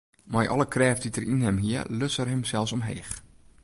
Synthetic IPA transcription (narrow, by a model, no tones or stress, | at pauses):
majʔɔ̰ləkʰrɛːfditərinɦɛmɦiərløsərɦɛmsɛlˠsɔmɦḛːx